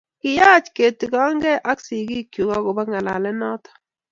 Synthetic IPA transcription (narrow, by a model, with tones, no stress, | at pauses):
kɪ˨ja˦t͡ʃke˨ti˨ka˦ŋɡɛ˦ʔa˦ksi˨ki˦kju˨kɔ˦kʊ˨ba˦ŋa˨la̰˨lɛ˦nɔ˦tɔ̥˦